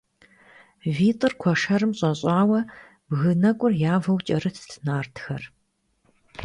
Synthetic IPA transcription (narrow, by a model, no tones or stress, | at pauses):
viːtʼɨrkʷʰɔʂɐrɨmɕʼɐɕʼɑːwɐ | bɣɨnɐkʷʼʊrjaːvɐwt͡ʃʼɐrɨtʰtʰnaːrtʰxɐr